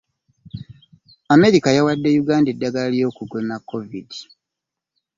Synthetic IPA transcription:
ame̞ɾikajawadːe̞juɡaːndedːaɡalalijo̞ːkuɡonakːo̞vidi

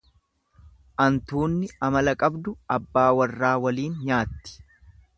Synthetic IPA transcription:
ʔɐnt̪uːnːɪɐmɐlɐkʼɐbd̪ʊɐbːaːwɐrːaːwɐliːnɲaːt̪ːɪ̥

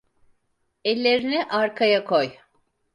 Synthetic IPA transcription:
ɛlʲːeɾinɛʔaɾkʰajakʰoj

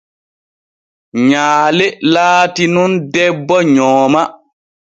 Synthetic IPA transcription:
ɲaːlɛlaːtinundɛbːɔɲɔːma

